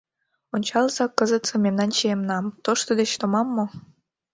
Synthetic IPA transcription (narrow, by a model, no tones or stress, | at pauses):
onʲt͡ɕɑlzɑkəzət̪sɤ̆mʲemnɑnt͡ɕiemnɑmt̪oʃt̪od̪et͡ɕt̪omɑmːo